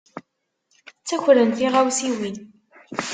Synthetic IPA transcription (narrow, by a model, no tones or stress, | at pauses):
t͡sːæçɾənθiʁawsiwin